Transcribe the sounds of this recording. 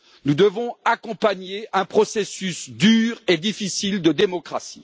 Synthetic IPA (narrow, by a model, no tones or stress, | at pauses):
nud̪əvɔ̃akɔ̃paɲeɛ̃pχɔsesysd̪yːʁed̪ifisild̪əd̪emɔkχasi̥